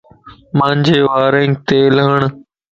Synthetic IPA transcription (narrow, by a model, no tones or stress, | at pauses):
mãːɲd͡ʒʱeːʋaːɾẽːŋk̚t̪eːləɦəɳ